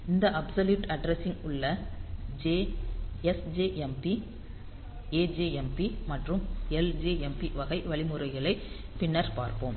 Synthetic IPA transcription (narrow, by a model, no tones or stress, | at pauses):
ɪnd̪ɐʔɐbsɐljuːʈɐɖɾɛsɪŋʊɭːɐd͡ʒeːɛsd͡ʒeːʔɛmpi | eːd͡ʒeːɛmpimɐʈrɯmɛld͡ʒeːɛmpiʋɐɣɐɪʋɐɭɪmɯɾɐɪɣɐɭɐɪ | pɪnːɐɾpaːɾpoːm